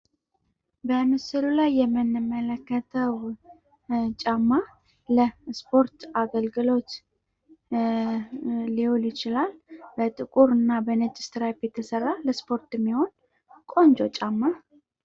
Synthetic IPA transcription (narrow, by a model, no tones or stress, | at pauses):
bəmɨsɨlulajːɛmːɨnːɨmːələkːət̪ʰəw | t͡ʃʼamːa | ləspʰo̞ɾt̪aɡəlɡɨlo̞t̪ | iholjɪt͡ʃɪlalbət̪ʼɨkʼuɾɨnːabənət͡ʃʼɪ̥st̪ʰɨɾabet̪ʰəsərːaləspʰo̞ɾt̪ɪmːiho̞n | kʼo̞nd͡ʒo̞t͡ʃʼamːa